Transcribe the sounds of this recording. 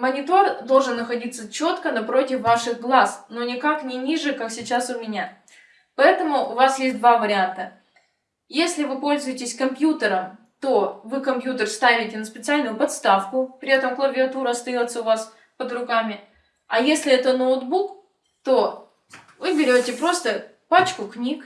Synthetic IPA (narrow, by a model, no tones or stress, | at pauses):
mənʲɪt̪ord̪o̞lˠʐɨnːəxɐdʲit̪sət͡ɕo̞t̪kənɐpɾo̞tʲɪfvaʂɨɣɡlˠasnonʲɪkaknʲɪnʲiʐɨkaksʲɪt͡ɕasʊmʲɪnʲa | pɐɛt̪əmʊʔʊvasjesʲt̚ʲd̪vavəɾʲɪant̪ə | jesʲlʲɪvɨpo̞lʲzʊjɪtʲɪsʲkɐmpʲjut̪əɾəm | t̪o̞vɨkɐmpʲjut̪ərst̪avʲɪtʲɪnəspʲɪt̪sɨalʲnʊjʊpɐt̪st̪afkʊpɾʲɪɛt̪əmklˠəvʲɪɐt̪uɾəɐst̪ɐjo̞t̪səʊvas | pəd̪ɾʊkamʲɪ | ɐjesʲlʲɪɛt̪ənowd̪buk | t̪o̞ | vɨbʲɪɾʲotʲɪpɾo̞st̪ə | pat͡ɕkʊknʲik